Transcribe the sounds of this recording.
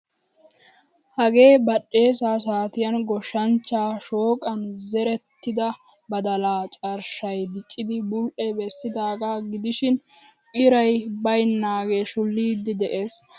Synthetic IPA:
hɐɡe̞ːbɐɗːe̞ːsaːs̬aːt̪ɪjɐnɡɔʃɐnt͡ʃːaːʃoːkʼɐnzɛɾɛt̪ːɪd̪ɐ | bɐd̪ɐlaːt͡ʃʼɐɾʃɐjd̪ɪt͡ʃʼːɪd̪ɪbʊlʔɛbɛsːɪd̪aːɡaːɡɪd̪ɪʃɪn | ɪɾɐjbɐjnːaːɡe̞ːʃʊlːiːd̪ːɪd̪ɛʔe̞ːs

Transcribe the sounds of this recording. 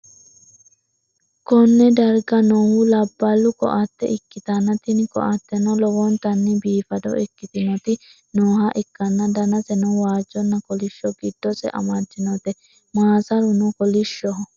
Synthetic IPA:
kɔnːɛd̪ɐɾɡɐnoːhulɐbːɐlːʊkɔ̰ʔat̪ːɛ̰ɪkːɪt̪ɐnːɐt̪ɪnkɔ̰ʔat̪ːɛnɔlɔwɔnt̪ɐnːɪbiːfɐd̪ɔ̰ʔɛkːɪt̪ɪnɔt̪ɪ | noːɦɐʔɪkːɐnːɐd̪ɐnɐsɛnɔwaːd͡ʒːɔnːɐkɔlɪʃːɔɡɪd̪ːɔsɛ̰ʔɐ̰mɐd͡ʒːɪnɔt̪ɛ | maːsɐɾʊnukɔlɪʃːɔɦɔ

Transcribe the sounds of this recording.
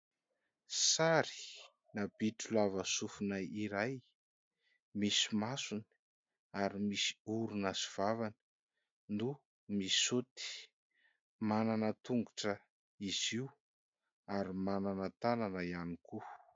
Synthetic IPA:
saɾi̥ | nabiʈ͡ʂulavəsufunajiɾaj | misimasun | aɾimisi̥uɾunaziv̥avanə̥ | nu | mi̥sut̪i̥ | mananət̪uŋɡuʈ͡ʂə | iziu | aɾimananət̪ananəjaniku

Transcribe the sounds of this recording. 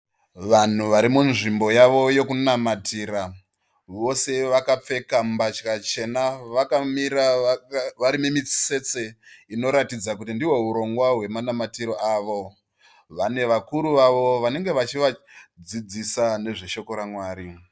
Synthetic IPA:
ʋan̤uʋaɾimunʐimbo̞jaʋo̞jo̞kunamatiːɾa | ʋo̞se̞ʋakap͡fe̞kambat͡ʃkat͡ʃe̞naʋakamiɾa | ʋaɾimimit͡si̥se̞t͡seino̞ɾatid͡zakutindiwe̞uɾo̞ŋɡwaɦwe̞manamatiɾo̞ʔaːʋo̞ | ʋane̞ʋakuɾuʋaʋo̞ʋane̞ŋɡe̞ʋat͡ʃiʋad͡zid͡zisane̞ʐe̞ʃo̞ko̞ɾamwaːɾi

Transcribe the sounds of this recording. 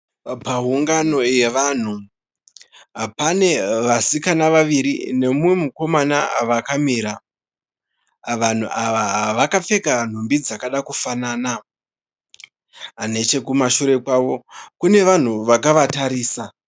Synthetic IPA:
paɦuŋɡano̞je̞ʋan̤u | ɦapane̞ʋasikanaʋaʋiɾḭne̞muwe̞muko̞manaʋakamiɾa | ʋan̤uʔaʋaɦaʋakafe̞kan̤umbid͡zakaɗakufanaːna | ɦane̞t͡ʃe̞kumaʃuɾe̞kwaːʋo̞kune̞ʋan̤uʋakaʋataɾiːsa

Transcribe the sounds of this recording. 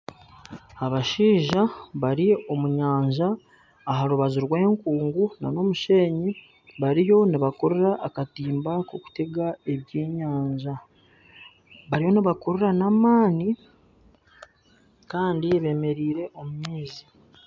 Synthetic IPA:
aβaʃiːʒaβaɾio̞muɲaːɲʒaː | ɦaɾuβaziɾwe̞ːŋkuːŋɡuna̰no̞muʃe̞ːɲi | βaɾijo̞niβako̞ɾeɾaʔakatiːmbakoku̥teɡae̞βjeːɲaːɲʒa | βaɾijo̞niβakoɾeɾanamaːni | kaːndieβe̞me̞ɾiːɾe̞ʔo̞mumiːzi

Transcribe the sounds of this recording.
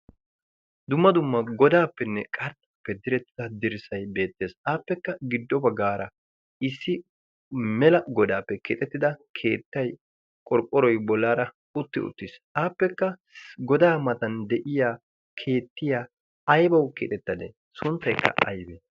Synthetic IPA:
d̪ʊmːɐd̪ʊmːɐɡɔd̪aːpːɛnːɛkʼɐɾt̪ːɐpːɛd̪ɪɾɛt̪ːɪɐd̪ɪɾɪsɐjbe̞ːt̪ːe̞ːsaːpːɛkːɐɡɪd̪ːɔbɐɡaːɾɐ | ɪsːɪ | mɛlɐɡɔd̪aːpːɛkɪt̪ʼɛt̪ːɪd̪ɐkʰe̞ːt̪ːɐj | kʼɔɾkʼːɔɾɔjbɔlːaːɾɐ | ʊt̪ːɪ̰ʊ̰t̪ːɪsʔaːpːɛkːɐɡɔd̪aːmɐt̪ɐnd̪ɛʔɪjaː | kʰe̞ːt̪ːɪjaː | jbɐwkɪ̰t̪ʼɛt̪ːɐd̪ḛ | sʊnt̪ːɐjkʰːɐ̰ɐ̰jbe

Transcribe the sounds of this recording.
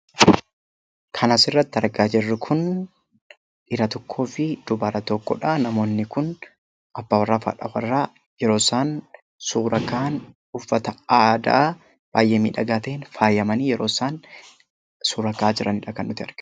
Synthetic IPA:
kʰɐnaːsɪrːɐt̪ːɪɐɾɡaːd͡ʒɛrːɪkʰʊn | ɪɾɐt̪ɔkʰːo̞ːfɪd̪ʊbaːɾɐt̪ɔkːɔᶑanɐmo̞ːnːɪkʊn | ʔɐbːaːwɐrːaːfɐ̰a̰ᶑɐ̰wɐ̰rːaː | jɛɾo̞ːsaːn | suːɾɐkaːn | ʊfːɐt̪ɐaːd̪a̰ː | b̥aːjʔeːmḭːᶑɐɡaːt̪eːnfaːjɐmɐniːjɛɾo̞ːsaːn | suːɾɐkaːd͡ʒɪɾɐnɪᶑɐkɐnːʊt̪ɪɐ̰ɾɡ̥

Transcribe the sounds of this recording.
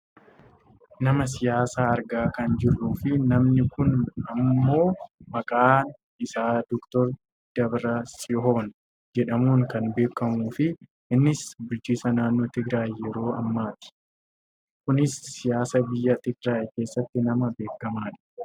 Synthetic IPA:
nɐmɐs̬ɪjaːsaːɐɾɡaːkɐnd͡ʒɪrːuːfɪnɐmnɪkʊnɐmmːo̞ːmɐkʼaːn | ɪsaːd̪ɔkt̪ɔɾ | d̪̥ɐbɾɐsɔɦoːn | d͡ʒɛᶑɐmuːŋkɐnbe̞ːkːɐmuːfɪ | ʔɪnːɪsbʊlt͡ʃiːsɐnaːnːoːt̪ɪɡɾaːjjɛɾo̞ːɐmːaːt̪ɪ̥ | kʊnɪsːɪjaːsɐbɪjːɐt̪ɪɡɾaːjke̞ːsːɐt̪ːɪnɐmɐbe̞ːkːɐmaːᶑɐ̥

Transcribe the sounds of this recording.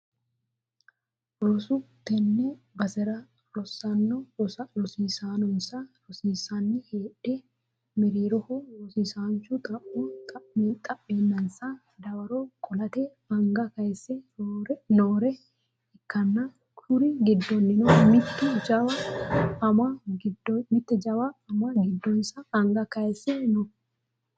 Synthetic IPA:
ɾɔsʊt̪ɛnːɛ | bɐsɛɾɐ | ɾɔsɐnːɔɾɔsiːsaːnɔnsɐɾɔsiːsanːɪheːᶑɛ | mɪɾiːɾɔhɔɾɔsisaːnt͡ʃːʊt̪ʼɐʔʊt̪ʼɐet̪ʼɐʔːeːnːɐnsa | d̪ɐwɐɾokʼɔlɐt̪ɛ | ɐŋɡɐkɐɛsːɛoɾnoːɾɛ | ɪkːɐnːa | kʊɾɪɡɪd̪ːɔnːɪnomɪt̪ːɪd͡ʒɐwɐɐmaɡɪdmɪt̪ːɛd͡ʒɐbaɐmaɡɪd̪ːɔnsaːŋɡɐkɐɛsːɛnɔ

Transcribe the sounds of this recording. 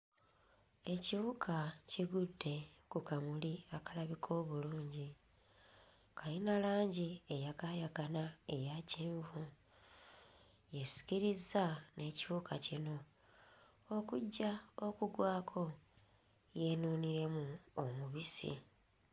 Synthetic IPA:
e̞ciβukʰaciɡudːe̞kukamuliakalaβikʰo̞ːβuluːɲɟi | kʰajinalaːɲɟiejakajaɡanae̞jaciːɱvu | je̞si̥ciɾizːane̞ciβukʰacino̞ | okuɟːaokuɡwaːkʰo̞ | je̞nuːniɾe̞muomuβisḭ

